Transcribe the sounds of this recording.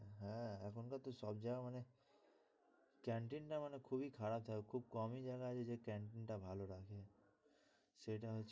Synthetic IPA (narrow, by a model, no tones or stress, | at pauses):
ɦɛ̃ɛkʰʊnkat̪osɔb̚d͡ʒaɡaməne | kɛ̃ːɳʈɪnʈamənekʰuːbʱikʰaɾaːb̚t̪ʰakʰuːb̚kɔːmid͡ʒaɡaɦɛd͡ʒed͡ʒekɛ̃ːɳʈɪnʈabʱaːloɾakʰe | seʈaɦ